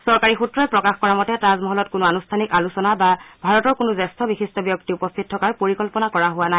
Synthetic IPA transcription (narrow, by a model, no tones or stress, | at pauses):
sɔɹkaɹixutɹɔɛpɹɔkaxkɔɹamɔtɛtazmɔɦɔlɔt̚kʊnʊanustʰanikalusɔnababʱaɹɔtɔɹkʊnʊzɛstʰɔbixistɔbjɔk̚tiupɔst̪ʰit̚tʰːɔkaɹpoɹikɔlpɔnakɔɹaɦʊwana